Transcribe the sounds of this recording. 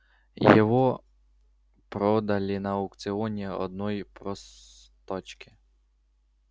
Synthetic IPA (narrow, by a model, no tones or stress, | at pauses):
jɔʋɔ | pɾɔd̪ɐlʲɪnɐʊkt̪sɪɔnʲiɔ̰d̪̚nɔjpɾɔs | t̪ɔt͡ʃkɪ̥